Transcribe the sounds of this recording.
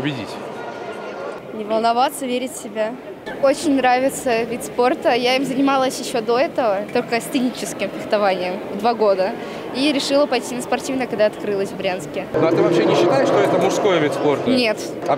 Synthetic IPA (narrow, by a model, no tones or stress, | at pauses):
pʊbʲɪdʲḭtʲ | nʲɪvəlˠnɐvat̪səvʲeɾʲɪtʲsʲɪbʲa | ot͡ɕɪnʲnɾavʲɪt̪səvʲit̪ʲspo̞rt̪əjaimzənʲɪmalˠəsʲjɪɕːo̞d̪o̞ɛt̪əvət̪o̞lʲkəsʲt̪ɨnʲit͡ɕɪskʲɪmfʲɪxt̪ɐvanʲɪjəmvd̪vaɡo̞d̪ə | iɾʲɪʂɨlˠəpɐjtʲinəspɐrtʲivnəkɐɡd̪aɐt̪kɾɨlˠəsʲvbɾʲanskʲɪnoat̪ɨvɐpɕenʲɪɕːɪt̪ajɪʂt̪oɛt̪əmʊʂsko̞jəvʲit̪ʲspo̞rt̪nʲe̞t̪ | ɐ